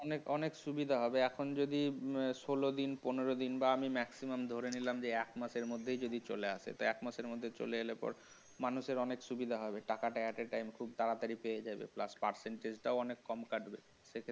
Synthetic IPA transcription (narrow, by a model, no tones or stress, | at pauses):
ɔnekɔnekʃubid̪ʱaɦɔbeɛkʰond͡ʑod̪iʃolod̪inponeɾod̪inbaamimɛksimamd̪ʱoɾenilamd͡ʑeɛkmaʃeɾmod̪ʱːejd͡ʑod̪it͡ɕo̰leaʃʰḛt̪oɛkmaʃeɾmod̪ʱːet͡ɕo̰leelepɔ̰ɾ | manuʃeɾɔnekʃubid̪ʱaɦɔbeʈakaʈaɛʈeɾʈajmkʰubt̪aɾat̪aɾipejed͡ʑabḛpla̰spaɾseɳʈed͡ʑʈaoɔnekːɔmkaʈbe | ʃekʰe